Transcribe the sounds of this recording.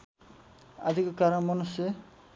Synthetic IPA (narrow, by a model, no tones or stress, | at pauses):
a̰d̪ʱikɔkaɾɔnmɔnuse